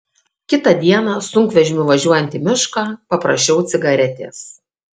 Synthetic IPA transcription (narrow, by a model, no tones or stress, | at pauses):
kʲɪt̪ɐd̪ʲiɛnɑsʊŋʲkʋʲɛʒʲɪmʲʊʋɐʒʲuɔjɛnʲt̪ʲɪmʲɪʃkɑːpɐpɾɐ̰ʃʲt͡ʃʲɛʊt̪sʲɪɡɐɾʲɛt̪ʲḛːs